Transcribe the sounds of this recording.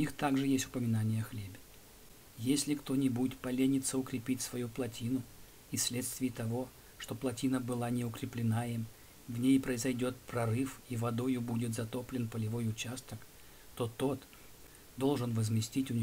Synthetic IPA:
ʊnʲixt̪aɡʐɨjesʲtʲʊ̥pəmʲɪnanʲɪjəxlʲebʲɪ̥ | jesʲlʲɪkt̪o̞nʲɪbudʲɪtt̪pɐlʲenʲɪt̪səʊkɾʲɪpʲitʲsvɐjuplˠɐtʲinʊ | isʲlʲe̞t̪st̪vʲɪjːt̪ɐvo̞ | ʂt̪o̞plˠɐtʲinəbɨlˠanʲɪʊkɾʲɪplʲɪnaɪm | vnʲejpɾəɪzɐjdʲo̞t̪̚pɾɐɾɨfivɐd̪o̞jʊbudʲɪt̪zɐt̪o̞plʲɪnpəlʲɪvo̞jʊt͡ɕast̪ək | t̪o̞t̪o̞t̪ | d̪o̞lˠʐɨnvəzmʲɪsʲtʲitʲʊnʲ

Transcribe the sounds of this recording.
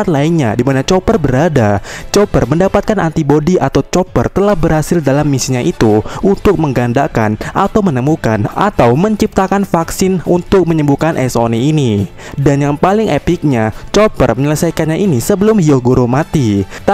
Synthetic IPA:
at̪̚lainɲa̰dimanat͡ʃopərbəɾadat͡ʃɔpərməndapat̪̚kanʔant̪ibodiʔat̪awt͡ʃɔpə̰rt̪əlahbərɾhasɪldalamːisiɲaʔit̪uʔunt̪ʊk̚məŋɡandaka̰nʔat̪awmənəmukana̰t̪awməɲt͡ʃip̚t̪akanfaksɪnunt̪ʊk̚məɲəmbukanʔɛso̰niini | danjaŋpalɪŋʔepɪk̚ɲat͡ʃopə̰rməɲələsajkanɲaʔinisəbəlʊmhioɡoɾomat̪i

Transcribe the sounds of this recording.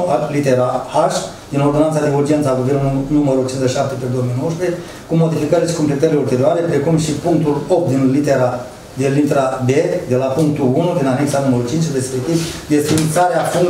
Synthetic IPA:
lit̪eɾaaʃ | d̪ino̞rd̪oant̪sad̪euɾd͡ʒie̞nt̪saɡuvenunuməɾut͡ʃinzəʃap̚t̪eped̪ojomijnowʃpe | kumo̞d̪ifikəɾeʃi̥komplet̪əɾileult̪e̞ɾioaɾe̞pɾe̞kumʃipuŋk̚t̪ulop̚t̪d̪inlit̪eɾa | d̪elːint̪ɾabe̞d̪e̞lapuŋkt̪uunud̪inane̞ksanuməɾut͡ʃint͡ʃrespek̚t̪ivd̪esinisaɾeafuŋ

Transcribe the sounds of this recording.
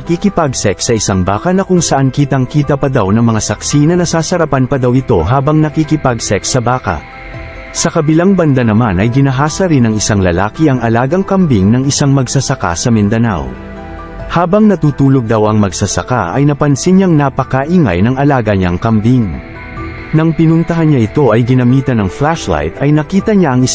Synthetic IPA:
ɐkikɪpaɡsɛksɐʔɪsaŋba̰ːkɐnɐkʊŋsɐʔankiːt̪ɐŋkiːt̪ɐpɐd̪awnɐŋmɐŋasɐksinɐnɐsaːsɐɾɐpɐnpɐd̪ɐwɪt̪o̞ɦaːbɐŋnɐkikɪpaɡsɛksɐbaːkɐ̰ | sɐkɐbɪlaŋbɐnd̪anɐmanɐjɡɪnɐɦaːsɐɾɪnɐŋɪsaŋlɐlaːkiɐŋʔɐlaːɡɐŋkɐmbiŋnɐŋɪsaŋmɐɡsɐsɐka̰sɐmɪnd̪ɐna̰w | haːbɐŋnɐt̪uːt̪uːloɡ̚d̪ɐwɐŋmɐɡsɐsɐ̰ka̰ʔɐ̰jnɐpɐnsɪnɲɐŋnapɐkɐʔiŋa̰jnɐŋɐlaːɡɐɲa̰ŋkɐmbiŋ | nɐŋpɪnʊnt̪ɐɦanɲaʔɪt̪o̞ʔɐjɡɪnɐmiːt̪ɐnɐŋflaʃla̰jt̪ɐjnɐkiːt̪ɐɲaʔɐŋɪ

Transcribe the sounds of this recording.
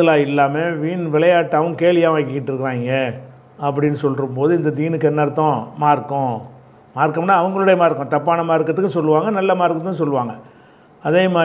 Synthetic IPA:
ɐlaːɪlːaːmeʋiːnʋɪɭɐjaːʈːɯɐʋɐŋkeːlɪjaːʋaːkːɪkːɪʈːɪɾɯkːɐɾaːŋɡɐ | ɐp̬ːɐɽɪnːɯsɔlɾɯmpoːðɯɪnd̪ɐd̪iːnɯkːɛnːɐɾɯt̪ːõːmaːɾkːʊ̃ | maːɾkːɐmnaːɐʋɐŋɡɐɭɯɽɐjɐmaːɪɾɯkːʊ̃t̪ɐpːaːnɐmaːɪɾɯkːɐðɯkːɯsɔlːɯʋaːŋɡɐnɐlːɐmaːɪɾɯkːɯ̃t̪ːãsɔlːɯʋaːŋɡɐ | ɐðeːmaː

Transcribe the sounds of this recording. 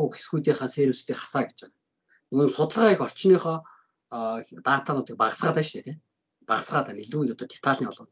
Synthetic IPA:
uxe̥sɡujt̪iːχaːnseːɾŭst̪iːχḁsaːɡe̥t͡ɕen | ɵnsʊt̪ə̆ɮ̆ʁixɔr̥t͡ɕniːχɔː | t̪aːt̪ʰanʊːt̪ʰik̚paʁə̆sʁaːt̪æːʃt̪ʰeːt̪ʰe | paʁə̆sɢaːt̪æːmeɮuːnʊt̪ɔːt̪ʰe̥t̪ʰaːɮniːɔɮʊn

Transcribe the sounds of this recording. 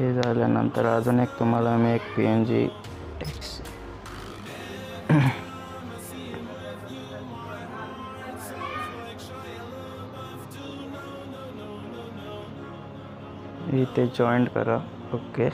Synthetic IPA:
ezaːlenɐ̰nt̪əɾaːd̪ɐnek̚t̪umɐlameeːkpiend͡ʒḭ | eks | it̪ed͡ʒɔːɪɳɖkɐ̰ɾa | oːke

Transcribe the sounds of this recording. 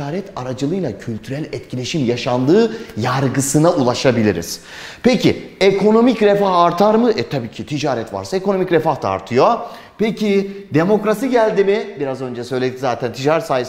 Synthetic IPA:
aːɾɛt̪ʰaɾad͡ʒɯlˠɯjlˠacʰylʲt̪ʰyɾælʲɛt̪cʰilʲe̞ʃimjaʃand̪ɯːjaɾɡɯsɯnaulˠaʃabilʲiɾḭz̥ | pecʰiekʰo̞no̞micɾefaɦaɾt̪ʰaɾmɯɛt̪ʰabiːcʰit̪ʰid͡ʒaːɾɛt̪va̰ɾsaeko̞no̞micɾefahd̪a̰ːɾt̪ʰɯjo | pecʰid̪e̞mo̞kɾasiɟælʲd̪imibiɾazø̞nd͡ʒɛsø̞jlʲed̪izaːt̪ʰænt̪ʰid͡ʒaɾsaːjɯs

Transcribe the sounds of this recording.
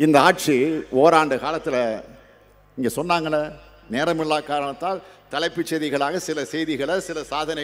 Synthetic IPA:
ɪnd̪ɐaːʈ̚t͡ʃioːɾaːɳɖɯkaːlɐt̪ːɪlɐ | ɪŋɡɐsɔnːaːŋɡɐɭːɐ | neːɾɐmɪɭːaːkaːɾɐɳɐt̪ːaːl | t̪ɐlɐɪpːɪt͡ʃːɛðɪɣɐɭaːɣɐsɪlɐsɛjðɪɣɐɭɐsɪlɐsaːðɐnɐ

